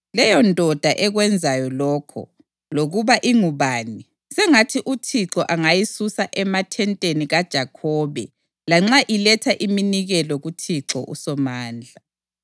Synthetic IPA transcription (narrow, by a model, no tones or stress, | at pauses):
lɛjɔndʱɔd̥ʱaʔɛɣwɛnd͡zʱajɔlɔːkʰɔ̰ | loɣuβaʔiŋuβaːni | sɛŋatʰiʔutʰiǁɔʔaŋajisusaʔɛmatʰɛntʼeniɣad̥ʒ̥ʱakʰɔːβɛ | laŋ͡ǁaʔilɛtʰaʔiminiɣɛlɔɣutʰiǁɔ̰ʔṵsɔmaːnd͡ɮʱa